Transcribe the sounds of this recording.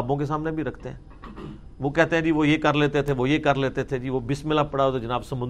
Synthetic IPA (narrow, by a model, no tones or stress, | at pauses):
bõkes̬aːmnebʱiɾɐkʰt̪eɦɛ̃ː | ʋokɛɦt̪eɦɛ̃d͡ʒiːʋoːjekəɾleːt̪et̪ʰeʋojekəɾleːt̪et̪ʰed͡ʒiːʋobɪsmɪlapəɽaːot̪ːd͡ʒɪnaːbsɐmʊ̃n